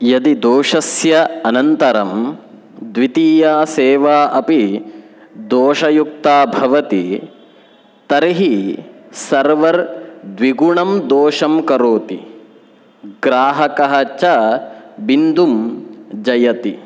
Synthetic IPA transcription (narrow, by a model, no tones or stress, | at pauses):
jɐd̪id̪oːʂɐsjɐɐnɐnt̪ɐɾɐm | d̪ʋit̪iːjaːseːʋaːʔɐpi | d̪oːʃɐjuk̚t̪aːbʱɐʋɐt̪i | t̪ɐɾiɦi | sɐɾʋɐɾd̪ʋiɡuɳɐmd̪oːʃɐmkɐɾoːt̪i | ɡɾaːɦɐkɐɦɐt͡ʃɐbind̪umd͡ʒɐjɐt̪i